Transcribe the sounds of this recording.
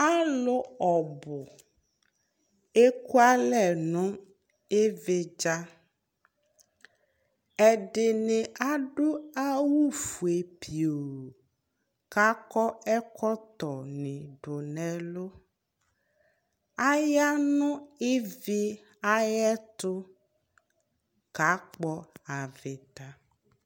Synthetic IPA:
a˦lʊ˦ɔ˨bʊ˨ | e˦ku˦a˦lɛ˨nʊ̃˦ | e˦vɪ˦d͡ʒa˦ | ɛ˨ɖɪ˨nɪ̃˨a˦ɖʊ˦a˦wu˦fu˨e˨pʰi˨o˨ | ka˦kɔ˦ɛ˦kɔ˦t̪ɔ˨nĩ˨ɖʊ˨nɛ̃˨lo˦ | a˦ja˦nʊ̃˦e˦vi˦ | a˦jɛ˦t̪ʊ˦ | ka˨˦k͡pɔ˦a˨ve˨t̪a˨

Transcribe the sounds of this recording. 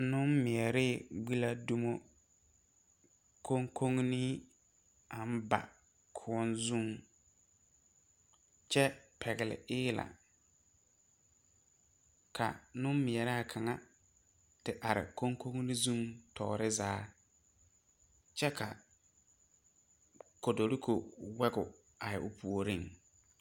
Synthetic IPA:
nʊ˦nmɪ˨ɛ˨ɾɪ˦˨ɡ͡bi˦la˦du˦mo˦ | kʰo˦ŋkʰo˦ŋni˦ | a˨m˦ba̰˨ | kʰʊ˨˦ɔ˦nzu˦˨ŋ | t͡ʃɛ˦pʰɛ˨ɡɪ˨lɪ̰˨ɪː˦la̰˨ | kʰa̰˨nʊ˦m˦mɪ˨ɛ˨ɾa˦a˨kʰa˨ŋa˦ | tɪ˨ʔa˨ɾɪ̰˨ko˦ŋko˦ŋni˦zu˦ŋtʰɔ̰ː˨ɾɪ˦zaː˦ | t͡ʃɛ˦kʰa̰˨ | ko˨do˨ɾi˦kʰo˨wɛ˦ɡʊ̰˨ | a˨jɪ̰˨ʔʊ˨pʰu˨o˨ɾi˦ŋ

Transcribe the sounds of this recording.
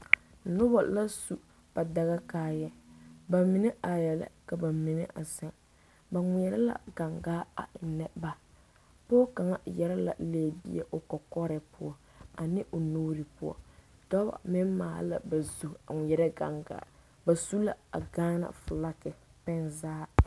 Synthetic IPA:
nʊ˦ba̰˨la˦su˨ | b̥a˨da˨ɣa˦kaː˦jɛ˦ba˨mi˨nɛ˦a˨jɛ˨la̰˦ka˨ba˨mi˨nɛ˦ʔa̰˨sɛ˦ŋ | ba˨ŋʷɪ˨ɛ˨ɾɛ˦la̰˨ɡ̥a˨ŋɡaː˦a̰˨ʔɪ˨nːɛ˦ba˨ | pɔ˦ɔ˦ka˨ŋa˦jɛ˦ɾɛ˦la̰˨leː˨˦˨bḭ˦ɛ̰˦ʔʊ˨kɔ˨kɔ˦ɾɛ˨pʊ˦ɔ˦ | a˨nɪ˦ʔo˨noː˦ɾi˨pʊ˦ɔ̰˦˨dɔ˦ba̰˨mɪ˦mma̰ː˨˦la̰˨ba˨zu˨a˨ŋʷɪ˨ɛ˨ɾɛ˦ɡa̰˨ŋɡa̰ː˦ | ba˨su˦la̰˨a̰˨ɡaː˦na̰˨fʊ˨la˦kɪ˨pɛ˦nzaː˦

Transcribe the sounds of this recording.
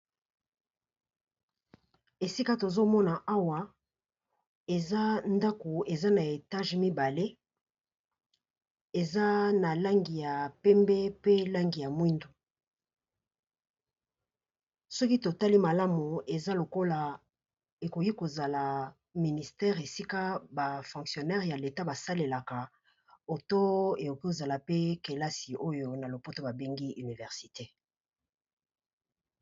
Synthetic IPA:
e˨si˦ka˦to˨zo˦mɔ˦na˨ʔa˦wa˨ | e˨za˦nda˦ko˨e˨za˦na˨e˨ta˦ʒmi˦ba˨le˦ | e˨za˦na˨la˦ŋɡi˨ja˨pɛ˦mbɛ˦pe˦la˦ŋɡi˨ja˨mwi˦ndo˨ | sɔ˦ki˦to˨ta˦li˦ma˨la˦mu˨e˨za˦lo˨ko˦la˨ | e˨ko˨ki˦ko˨za˨la˨ | mi˨ni˨stɛ˦ʁe˨si˦ka˦ba˨fɔ̃˨ksjo˨nɛ˦ʁja˨le˨ta˦ba˨sa˦le˨la˨ka˨ | o˨to˦e˨ko˨ki˦o˨za˨la˨pe˦ke˨la˦si˨ʔo˦jo˦na˨lo˨po˦to˦ba˨be˦ŋɡi˦ʔy˨ni˨vɛ˨ʁsi˨te˦

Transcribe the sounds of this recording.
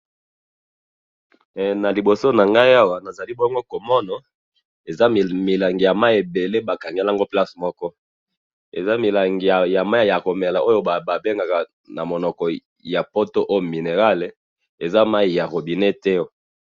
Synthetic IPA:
na˨li˨bo˨so˦na˨ŋɡa˦ja˦wa˨na˨za˨li˦bo˦ŋ˦ɡo˦ko˨mɔ˦na˨ | e˨za˦˨mi˨la˨ŋɡi˨ja˨ma˦i˦e˨be˨le˦ba˨ka˨ŋɡe˦la˦ŋɡo˦pla˦smɔ˦kɔ˦ | ḛ˨za˦mi˨la˨ŋɡi˨ja˨ma˦˨ja˨ko˨me˨la˨ʔo˦jo˦ba˨ba˨be˦ŋɡa˨ka˨ | na˨mo˨nɔ˨kɔ˨ | ja˨po˦to˦ʔo˦jo˨mi˨ne˨ʁa˦le˨ | e˨za˦ma˦i˨ja˨ʁo˨bi˨ne˦tɛ˦

